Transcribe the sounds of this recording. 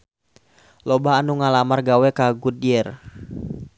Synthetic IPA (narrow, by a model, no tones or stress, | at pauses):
lɔbaːnuŋalamarɡawɛkaɡudiɛr